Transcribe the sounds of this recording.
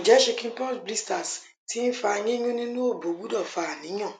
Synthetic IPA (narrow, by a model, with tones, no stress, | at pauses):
i˨d͡ʒɛ˨˦ʃe˧kĩ˦n˦pɔ˦˨tbli˦sta˨s | ti˦n̩˦fa˧ɲĩ˦ɲũ˦nĩ˦nũ˦o˦˨bo˨˦ɡ͡bu˦dɔ˦˨fa˨a˨nĩ˨˦ɲ̃ã˦˨